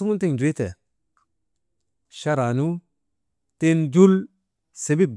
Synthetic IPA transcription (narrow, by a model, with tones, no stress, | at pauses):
u˦mu˦nte˦ŋd͡ʒu˨e˦te˨ | ʃa˦ɾa˨nu˦ | te˦nd͡ʒu˦l | se˨bi˦